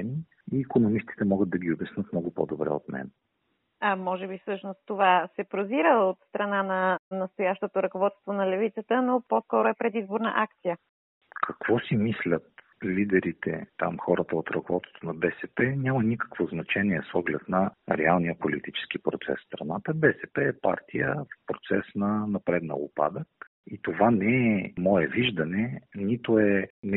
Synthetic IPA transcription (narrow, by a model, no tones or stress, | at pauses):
ɛni | iːkonomist̪i̥t̪ɛmɔɡət̪̚d̪ɐɡʲiobʲɛsnɤt̪mnɔɡʊpɔ̰d̪obɾɛ̰o̰t̪mɛ̰n | amɔʒɛbifsɤʃnost̪ːovasɛpɾoziɾəot̪st̪ɾɐnanɐnɐst̪ojaʃt̪ot̪oɾɐkovɔt̪st̪vonɐlɛvit̪sət̪ənoposkɔɾʊɛpɾɛd̪izboɾnə̰ʔak̚t̪sijə | kʰɐkvɔsimislʲət̪̚lid̪ɛɾit̪ɛ̰t̪a̰mxɔɾət̪əot̪ɾɐkovɔt̪o̥t̪onɐbɛsɛpɛnʲamənikə̥kvoznɐt͡ʃɛnʲiɛsɔɡlɛt̪nɐɾɛalˠnijəpolit̪it͡ʃɛ̥skipɾot̪sɛ̰sst̪ɾɐnat̪əbɛsɛpɛːpa̰ɾt̪ʰijə̰fpɾot̪sɛsnɐnɐpɾɛd̪nɐ̰ʊ̰pa̰d̪ək | it̪ovanɛɛmɔɛviʒd̪ɐnɛnit̪ʊɛn